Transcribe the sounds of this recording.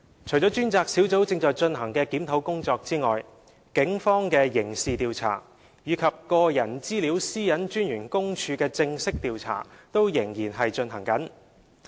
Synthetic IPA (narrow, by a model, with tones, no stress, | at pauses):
t͡ʃʰɵ˨˩jt͡sɔː˨˥t͡ʃyː˥nt͡saː˧k̚si˨˥wt͡so˨˥wt͡sɪ˧ŋt͡sɔː˨jt͡ʃɵ˧nɦɐ˨˩ŋkɛː˧kiː˨˥mt̪ʰo˨˥wkʊ˥ŋt͡sɔː˧k̚t͡siː˥ŋɔː˨j | kɪ˨˥ŋfɔː˥ŋkɛː˧jɪ˨˩ŋsiː˨t̪iː˨˧wt͡sʰa̰ː˨˩ | jiː˨˧kʰɐ˨p̚kɔː˧jɐ˨˩nt͡siː˥li˨˥wsiː˥jɐ˨˥nt͡ʃyː˥njyː˨˩nkʊ˥ŋt͡ʃʰyː˧kɛː˧t͡sɪ˧ŋsɪ˥k̚t̪iː˨˧wt͡sʰa̰ː˨˩t̪o˥wjɪ˨˩ŋjiː˨˩nɦɐ˨jt͡ʃɵ˧nɦɐ˨˩ŋkɐ˨˥n